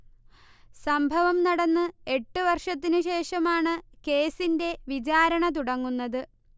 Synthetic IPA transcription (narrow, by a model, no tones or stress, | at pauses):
sɐmbʱɐʋɐmnɐɽɐnːɨe̞ʈːɨʋɐrʂɐt̪̬ːinɨɕe̞ːʂɐmaːɳɨke̞ːsinde̞ʋit͡ɕaːɾɐɳɐt̪uɽɐŋːunːɐðɨ